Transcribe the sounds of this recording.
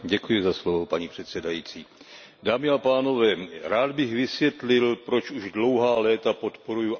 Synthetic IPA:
ɟɛkujɪzaslovopaɲipr̝̥ɛt̪sɛdajiːt͡siː | daːmɪapaːno̞vɛːɾaːd̪bɪxvɪsvjɛt̪lɪlpɾo̞t͡ʃuʒdlo̞wɦaːlɛːt̪apo̞t̪poɾuju

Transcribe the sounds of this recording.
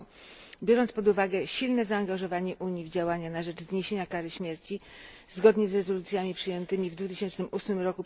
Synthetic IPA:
bʲjɔɾɔntspɔd̪uvaɡɛɕilnɛzaːŋɡaʐɔvaɲɛʔuɲivd͡ʑawaɲanaʐɛt͡ʂzɲeɕeɲakaɾɘɕmʲjɛɾt͡ɕi | zɡɔd̪ɲɛzɾɛzɔlut̪sʲjamʲipʂɘjɛnt̪ɘmʲivd̪vut̪ɘɕɛnt͡ʂnɘmʔusmɘmɾɔku

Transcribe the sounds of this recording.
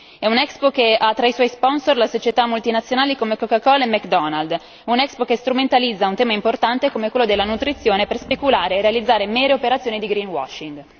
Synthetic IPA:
ɛunɛkspokeʔat̪ːɾaiswɔjspɔnsorlasot͡ʃet̪amːult̪inat̪sːjonaːlikomekokakɔlemɛkd̪ɔnald̪ | unɛkspokest̪ɾument̪alid̪zːaunt̪ɛːmaimport̪ant̪ekomekwelːod̪elːanut̪ɾit̪sːjoːneperspekulaːɾeːrealid̪zːaːɾemɛːɾeopeɾat̪sjoːnid̪iɡɾinwɔ̰ʃːiŋɡ

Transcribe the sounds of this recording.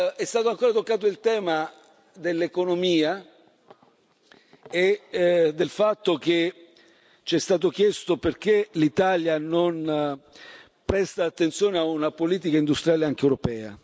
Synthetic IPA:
ɛst̪aːt̪oaŋkoːɾat̪okːaːt̪̬oilt̪ɛːma | d̪elːekonomiːa | ed̪ːelfat̪ːok̟e | t͡ʃɛst̪aːt̪ok̟jɛst̪operk̟elit̪aljanon | pɾɛst̪aːt̪ːent̪sjoːneaunapoliːt̪̬ikaind̪ust̪ɾjaːleaŋk̟eɛwɾopɛːa̰

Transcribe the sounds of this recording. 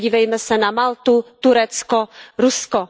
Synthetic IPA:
ɟiːvɛjmɛsɛnamalt̪ut̪uɾɛt͡skɔɾuskɔ

